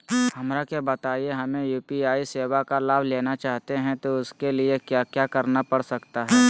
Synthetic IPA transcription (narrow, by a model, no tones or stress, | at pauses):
hɐmɾakebɐt̪aːieɦɐmẽjuːpiaːiseːʋakalaːbʱleːnat͡ʃaːɦt̪eɦɛ̃t̪oʊskeliekjaːkjaːkɐɾnapɐɽsɐkt̪aɦɛː